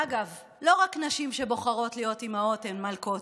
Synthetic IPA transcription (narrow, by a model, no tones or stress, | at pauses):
aɡav | lo̞ʁaknaʃimʃe̞bo̞χaʁo̞tlijo̞timao̞tenmalko̞t